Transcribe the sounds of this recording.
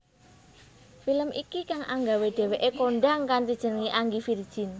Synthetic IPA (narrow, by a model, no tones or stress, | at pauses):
filəmʔikikaŋʔa̰ŋɡaweɖ̪̥ɛ̤weʔekoɳɖaŋkant̪id̥ʒ̥ə̤nəŋiʔaŋɡifird̥ʒ̥in